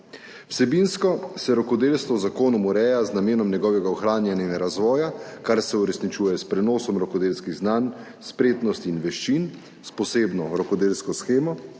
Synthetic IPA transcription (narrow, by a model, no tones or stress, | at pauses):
w̥sɛbinskɔsɛɾɔkɔd̪eːlst̪ʋɔwzakoːnumɔɾɛːjaznameːnɔmnʲjɛɡɔːʋɛɡaɔxɾaːnjɛnanaɾazʋɔːjakaɾsɛuɾɛsnit͡ʃuːjɛspɾɛnɔːsɔmɾɔkɔd̪eːlskiɣznan | spɾeːt̪nɔst̪inʋɛʃt͡ʃin | spɔseːbnɔɾɔkɔd̪eːlskɔsxeːmɔ